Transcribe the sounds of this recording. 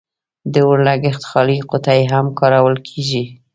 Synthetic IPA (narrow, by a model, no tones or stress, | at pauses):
d̪əwəɾlaɡɪxt̪xɑliqʊt̪ajeɦamkɑɾawəlkʰeʒi